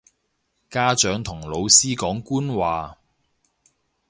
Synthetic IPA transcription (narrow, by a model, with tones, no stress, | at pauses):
kaː˥t͡ʃœː˨˥ŋt̪ʰʊ˨˩ŋlo˨˧wsiː˥kɔː˨˥ŋkuː˥nwaː˨